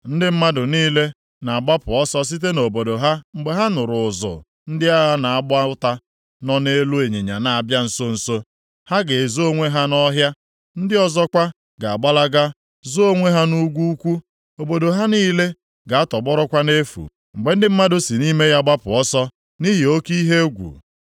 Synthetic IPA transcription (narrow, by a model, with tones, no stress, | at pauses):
n̩˦dɪ˦m̩˦ma˦dʊ˨niː˦le˦ | na˨a˨ɡ͡ba˦pʊ˨ɔ˦sɔ˦s̬i˦t̬e˦no˨bo˨do˨ɦa˦ŋ͡m̩˨ɡ͡be˨ɦa˦nʊ˨ɾʊ˨zʊ̰˨ | n̩˦dɪ˦a˦ɦa˦na˨a˦ɡ͡bʊ˦a˦ta˦ | nɔ˦ne˦lu˦e˨ɲe˨ɲa̰˨na˨a˨bja˦n̩˨so˦n̩˨so˦ | ha˦ɡe˨zo˦ŋʷe˦ɦa˦nɔ˦ɦja˦ | n̩˦dɪ˦ɔ˦zɔ˦kʷa˦ | ɡa˨a˨ɡ͡ba˦la˦ɡa˦ | zo˦o˦ŋʷe˦ɦa˦nu˦ɡʷu˦kʷu˦ | o˨bo˨do˨ɦa˦niː˦le˦ | ɡa˨a˦tɔ˨ɡ͡bɔ˦ɾɔ˦kʷa˦ne˦fṵ˨ | ŋ͡m̩˨ɡ͡be˨n̩˦dɪ˦m̩˦ma˦dʊ˦si˨ni˦me˦ja˦ɡ͡ba˦pʊ˨ɔ˦sɔ˦ | ni˦ɦi˨o˦ki˦ɦe˦ɡʷṵ˨